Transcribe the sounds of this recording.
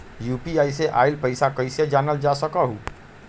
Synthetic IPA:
juːpiaːjseʔa̰ːɪlpəɪsakəɪsed͡ʒaːnəld͡ʒasəkaɦuː

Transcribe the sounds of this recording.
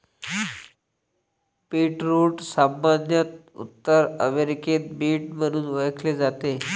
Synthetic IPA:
piʈɾuʈsambanjət̪̚ṵt̪ːəɾəʋeɾiket̪̚biːʈm̤əɽ̃uːnʋəɭkʰled͡zat̪e

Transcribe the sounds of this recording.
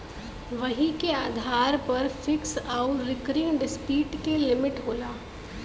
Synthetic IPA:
ʋɐɦĩkeaːd̪ʱaːɾpɐɾfɪksaʊɾɪkɾiːnɖɪspiːʈkelɪmɪʈɦoːlaː

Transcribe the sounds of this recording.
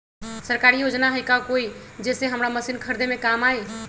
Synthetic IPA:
səɾkaɾijod͡ʒnaɦəjkaokoid͡ʒɛseɦəmɾaməsinkʰəɾd̪ʱemekamae

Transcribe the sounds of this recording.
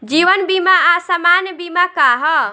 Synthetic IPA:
d͡ʒiʋənbimaasəmanbimakaɦɔ

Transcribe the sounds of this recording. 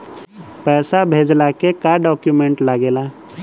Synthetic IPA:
pɛːsabʱeːd͡ʒlakekaɖɔːkjumẽɳʈlaɡeːla

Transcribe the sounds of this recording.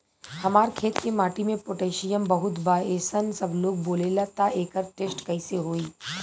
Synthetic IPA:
hɐmaːɾkʰeːt̪kemaːʈimẽpoʈeːʃijəmbɐɦʊt̪baːeːsənsɐbloːɡ̚boːleːlat̪aeːkəɾʈeːsʈkɐiseɦoːiː

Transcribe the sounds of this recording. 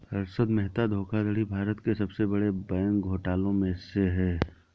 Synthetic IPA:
ɐɾsəd̪mɛɦt̪ad̪ʱoːkʰad̪əɽibʱaːɾət̪kesɐbsebɐɽebɛːŋkɡʱoːʈaːlõmẽseɦɛː

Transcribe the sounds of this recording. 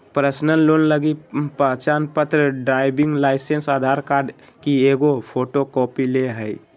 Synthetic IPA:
pɾəsnənlonləɡipəɦt͡ʃanpət̪ɾəɖɾaɪbiŋɡlaɪsensad̪ʱaɾkaɾɖ | kieɡopʰoʈokɔpileɦəj

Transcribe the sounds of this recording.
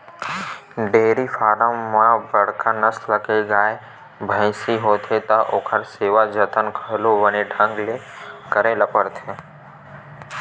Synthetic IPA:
ɖeːɾifaːɾəmːãbəɽ̤kanəsləkeɡaːe | bʱə̃ɪsiɦoːt̪ʰet̪ɐʔoːkʰəɾseːʋad͡ʒət̪ənkʰəɦloʋɐneʈʰə̃ŋɡle | kəɾeləpəɾt̪ʰẽ

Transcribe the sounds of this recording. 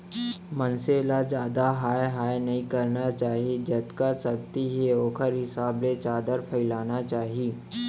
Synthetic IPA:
mɐnselad͡ʒjaːd̪aɦaːjɦaːenɐɦĩkɐɾnat͡ʃaːɦied͡ʒɐt̪kasɐk̚t̪iɦeoːkʰəɾɦɪsaːblet͡ʃaːd̪əɾpʰɐɪlaːnat͡ʃaːɦieː

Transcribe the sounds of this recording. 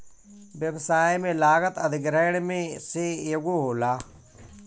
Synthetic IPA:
ʋjəʋsaːemẽlaːɣət̪əd̪ɪɡɾɛːɽmẽsejəɡoɦoːlaː

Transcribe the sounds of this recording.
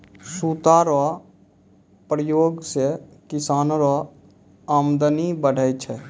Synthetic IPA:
suːt̪aɾa | pɾəjoːɡsekɪsaːnɾo | aːmd̪ənibəɽ̤ʱəjt͡ʃʰɛ

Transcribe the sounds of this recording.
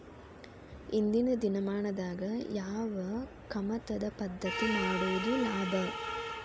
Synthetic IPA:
ind̪inɐd̪inɐmaːɳɐd̪aːɡɐjaːʋɐ | kɐmɐt̪ɐd̪ɐpɐd̪ːɐt̪inaːɽuʋɐd̪unaːd̪ɐ

